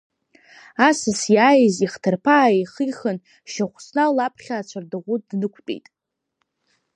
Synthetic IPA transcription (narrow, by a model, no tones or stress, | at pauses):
asɨsjaːjɪziχtʰɨrpʰaːiχiχən | ʃaχʷsnalapʰχʲaːt͡ʃʷʰardɨʁʷʊdnɨkʷʰtʼḛjtʼ